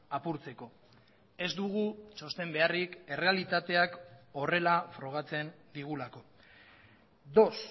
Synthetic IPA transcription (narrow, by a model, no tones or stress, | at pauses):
apuɾt͡se̞ko̞ | e̞zd̪uɣ̞ut͡ʃo̞st̪e̞mbe̞arike̞re̞alit̪at̪e̞ako̞re̞lafɾo̞ɣ̞at͡se̞n | d̪iɣ̞ulako̞ | d̪o̞s